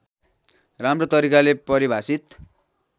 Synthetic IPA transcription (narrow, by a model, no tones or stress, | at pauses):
ramrot̪ʌɾikalepʌɾibʱasit̪